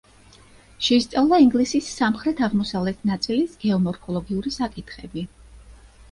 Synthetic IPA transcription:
ʃɛist̪sʼavlˠaiŋɡlisisːamχɾɛt̪ʰaʁmɔsavlɛt̪ʰnat̪sʼilisɡ̥ɛɔmɔɾkʰɔlˠɔɡiuɾisakʼit̪ʰχɛbi

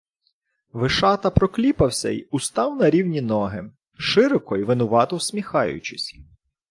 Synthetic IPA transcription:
ʋɪʃɑt̪ɐpɾɔklʲipɐwsʲɐ̰ḭʊst̪ɑwnɐɾʲiwnʲinɔɦɪ | ʃɪɾɔkɔjiʋɪnʊʋɑt̪ɔwsʲmʲixɑjʊ̰t͡ʃɪsʲ

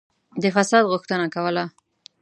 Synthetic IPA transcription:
d̪əfasɑd̪ɣʊxt̪ənakawəla

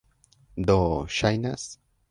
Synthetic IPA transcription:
d̪oʃajnas

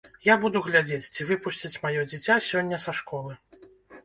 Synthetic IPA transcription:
jabud̪uɣlʲad͡zʲet͡sʲt͡sʲivɨpusʲt͡sʲit͡sʲmajɔd͡zʲit͡sʲasʲɔnʲːɐsɐʂkɔlˠɨ

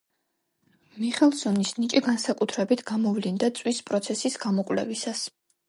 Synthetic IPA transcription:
miχɛlˠsɔnisnit͡ʃʼiɡansakʼut̪ʰɾɛbit̪ʰɡ̥amɔvlind̪at̪sʼwispʼɾɔt̪sʰɛsisɡ̥amɔkʼlɛ̰visas

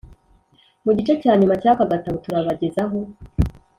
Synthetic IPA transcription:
muɟit͡ʃecaːɲumacaːkaɡataβotuɾaβaɟe̞zaɦo̞

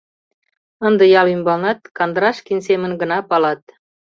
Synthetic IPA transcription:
ənd̪əjɑlymbɑlnɑt̪̚kɑnd̪əɾɑʃkinsemənɡə̆nɑpɑlɑt̪̚

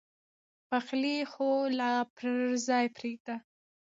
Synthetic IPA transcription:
paxlixolapʰɾzɑjpɾeɡ̚d̪a

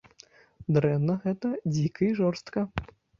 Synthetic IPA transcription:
d̪ɾɛnːɐɣɛt̪ɐd͡zʲikɐiʐɔrst̪kɐ

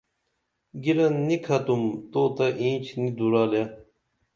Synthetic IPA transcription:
ɡiɾɐnːikʰɐt̪umt̪oːt̪ɐʔĩːt͡ɕʰnid̪uɾaːlja

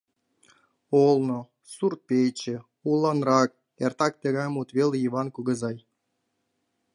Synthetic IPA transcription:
olˠno | surt̪̚pʲejt͡ɕĕ | ulˠːɑnrɑk̚ | ert̪ɑk̚t̪eɣɑjmut̪βeleiβɑnkuɣə̆zɑj

